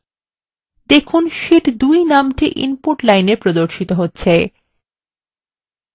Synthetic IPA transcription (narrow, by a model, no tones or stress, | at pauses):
d̪ekʰunʃiʈd̪ujnamʈiʔḭnpoɾʈlajnepɾod̪oɾʃit̪oɦotːɕʰe